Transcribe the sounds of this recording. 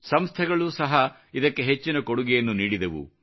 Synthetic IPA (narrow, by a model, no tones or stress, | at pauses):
sɐmst̪ʰɛɡɐɭusɐɦɐ | id̪ɐkːe̞ɦet͡ʃːinɐkoɽuɡɛjɐnːuniːɽid̪ɐʋṵ